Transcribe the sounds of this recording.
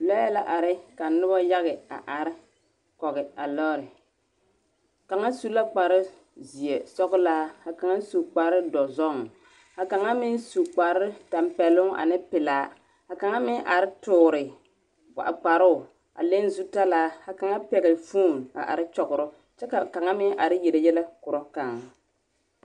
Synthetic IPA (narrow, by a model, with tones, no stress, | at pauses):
lɔ˦a˦la˦ʔa˨ɾɪ˦ka˨nʊ˦bɔ˦ja˦ɣɪ˨a̰˨ʔa˨ɾɪ˦ | kɔ˨ɣɪ˨a˨lɔ˦ɾɪ˨ | ka˨ŋa˦su˦la˦k͡pa˨ɾɪ˦ | zi˨e˨sɔ˦ɣʊ˦laː˦ha˨ka˨ŋa˦su˨k͡pa˨ɾɪ˦dɔ˨zɔ˦ŋ˨ | ha˨ka˨ŋa˦mɪ˦nsu˨k͡pa˨ɾɪ˦ta˨mpɛ˨lʊ˦ŋʔa̰˨nɪ˦pɪ˨laː˦ | ha˨ka˨ŋa˦mɪ˦ŋʔa˨ɾɪ˦tʊː˨ɾɪ˨ | wa̰˨ʔk͡pa˨ɾʊ˦ʊ˨ | a̰˨le˦n˦zu˦ta˦laː˦ha˨ka˨ŋa˦pɛ˨ɡɪ˨lfuː˦˨na̰˨ʔa̰˨ɾɪ˦t͡ʃɔ˨ɣʊ˨ɾʊ˦ | t͡ʃɛ˦ka˨ka˨ŋa˦mɪ˦ŋʔa˨ɾɪ˦jɛ˨da˨jɛ˦la˦kʊ˨ɾɔ˦ka˨ŋ˦